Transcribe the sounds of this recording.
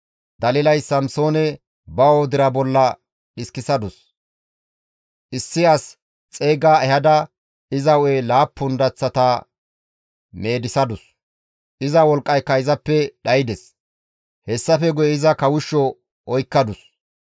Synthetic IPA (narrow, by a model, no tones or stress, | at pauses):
d̪ɐlɪlɐjsːɐmso̞ːnɛ | bɐwod̪ɪɾɐbɔlːɐ | ɗɪskɪsɐd̪ʊs | ʔɪsːɪɐs | t͡sʼe̞ːɡaːɛhɐd̪ɐ | ɪzɐwɔelaːpːʊnd̪ɐt͡sːɐt̪ɐ | me̞ːd̪ɪsɐd̪ʊs | ʔɪzɐwɔlkʼːɐjkːɐjɪzɐpːɛɗɐjɪd̪ɛs | hɛsːɐfɛɡʊjɛɪzɐkɐwʊʃːɔ | ʔɔjkːɐd̪ʊs